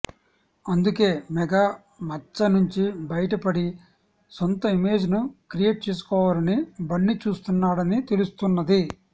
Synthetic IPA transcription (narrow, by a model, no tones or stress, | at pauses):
ɐnd̪uke̞ːmɛɡaː | mɐt͡ʃːɐnuɲt͡ʃibɐjɐʈɐpɐɽi | sont̪ɐime̞ːd͡ʒnukɾije̞ːʈ̚t͡ʃe̞ːs̬u̥kɔːʋaːlɐnibɐɳːit͡ʃuːst̪unːaːɽɐnit̪e̞lust̪unːɐd̪i